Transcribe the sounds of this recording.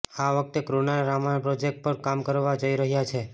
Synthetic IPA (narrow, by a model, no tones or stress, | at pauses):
aʋək̚t̪ekɾunaɾamanpɾod͡ʒek̚ʈ̚pəɾkamkəɾʋad͡ʒəiɾəɦjat͡ʃʰe